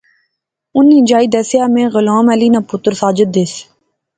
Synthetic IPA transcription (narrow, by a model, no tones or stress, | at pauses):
ʊnːĩːd͡ʒaːiːd̪ɛːsjaːmẽːɣʊlaːmɛːliːnaːpʊt̪ɾsaːd͡ʒəd̪̚ɪs